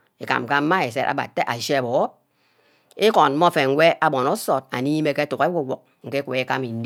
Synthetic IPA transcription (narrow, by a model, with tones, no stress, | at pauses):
i˨ka̰˨m˨ka˦m̩˦ma˦e˨s̬e˦ɾʔa̰˨ba̰˨tːe˦ʔa˨ʃe˦a˨bɔ˨˦ | i˦kɔ˨nm̩˦mɔ˦fe˨ŋ̩˦wʷe˦ʔa˦bɔ˨nɔ˦sɔ˨t̚a̰˨ni˦me˦ke˦tu˨ke˦wu˦˨wɔ˨k̚ŋ̩˨ke˦kʷe˨e˦ka˦mi˨n̩˦d